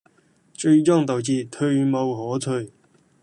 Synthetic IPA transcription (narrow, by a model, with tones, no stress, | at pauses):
t͡ʃɵ˧ɥt͡sɔː˥˩ŋt̪ɐ˨˩wt͡siː˧t̪ʰɵ˧ɥmɐ˧wɦɔː˨˥t̪ʰɵ˧